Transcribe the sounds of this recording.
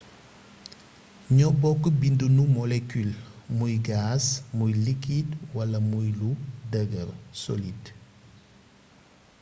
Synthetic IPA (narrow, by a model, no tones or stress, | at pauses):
ɲɔbɔkːbindunumolekylmujɡasmujlikidwalamujludəɡəɾsolid